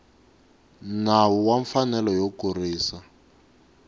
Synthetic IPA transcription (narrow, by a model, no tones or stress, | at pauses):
nawuwaɱfanɛlɔjokuriːsa